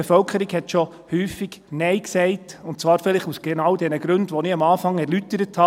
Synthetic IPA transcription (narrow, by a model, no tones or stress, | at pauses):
befœlkʰəɾiɡhɛtʃɔ | hyːfɪɡ̥nɛɪksɛɪtʊnt̚t͡sʋɑːɾfɪlɪχusɡ̥ɛnɑwd̥ɛnəɡɾɵndʋɔniɑmɑːfɑŋɛɾlytəɾəthɑ